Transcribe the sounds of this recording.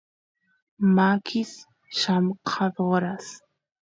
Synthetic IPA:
makʰis | ʃamqʰɑɾoɾas

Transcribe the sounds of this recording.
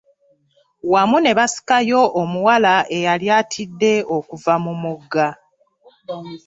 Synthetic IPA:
wamune̞βasi̥kajo̞ːmuwalaʔe̞jaljaːtʰidːe̞okuvamumuɡːa

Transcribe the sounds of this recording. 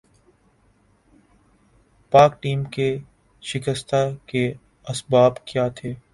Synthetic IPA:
paːk̚ʈiːmke | ʃɪkəst̪ʰake | ɐsbaːbkjaːt̪ʰeː

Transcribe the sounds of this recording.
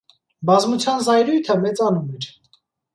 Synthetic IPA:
bɑzmut͡sʰjɑnzɑjɾujt̪ʰəmɛt͡sɑnumɛɾ

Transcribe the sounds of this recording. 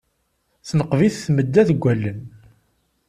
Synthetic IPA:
θnəqviθθməd̪ːæθɡʷːælːən

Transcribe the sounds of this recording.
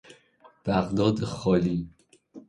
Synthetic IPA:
b̥æɣd̪ɒːd̪exɒːliː

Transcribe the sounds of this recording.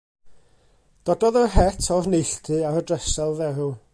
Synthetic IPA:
d̥ɔdɔðɔɦɛtʰɔvnejɬtʰɨaɾədrɛsɛlˠvɛɾu

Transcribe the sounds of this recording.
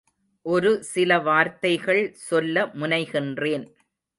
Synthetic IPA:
ʔɔɾɯsɪlɐʋaːɾt̪ɐɪɣɐɭsɔlːɐmʊnɐɪɣɪndreːn

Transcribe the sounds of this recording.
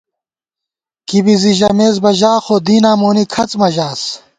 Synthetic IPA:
kibiziʑɐmeːzbɐʑaːxoːd̪iːnaːmoːnikʰɐt͡smɐʑaːs

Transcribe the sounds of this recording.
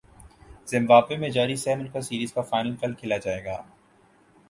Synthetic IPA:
z̥ɪ̃mbaːbemẽd͡ʒaːɾisɛːmʊnkasiːɾiːzkafaːɪnəlkɐlkʰɪlad͡ʒaːeːɡaː

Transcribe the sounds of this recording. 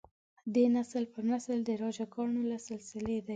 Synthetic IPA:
d̪enasəlpənasəld̪əɾɑʒakɑɳolasɪlsɪled̪a

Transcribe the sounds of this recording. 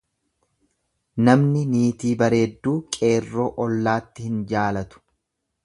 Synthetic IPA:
nɐmnɪniːt̪iːbɐɾe̞ːd̪ːuːkʼe̞ːrːoːʔɔlːaːt̪ːɪhɪnd͡ʒaːlɐt̪ʊ̥

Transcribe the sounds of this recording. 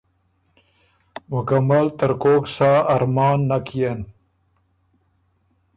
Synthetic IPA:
mʊkamalt̪əɾkoːksaːɾmɑːnːakʰijen

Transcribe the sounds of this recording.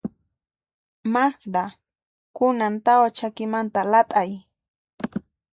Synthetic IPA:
maχd̪a | kʊnant̪awat͡ʃakɪmant̪alat̪ʼaj

